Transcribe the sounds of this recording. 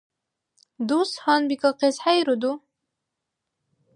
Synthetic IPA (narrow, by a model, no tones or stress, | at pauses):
d̪ushanbikaqesħajɾud̪u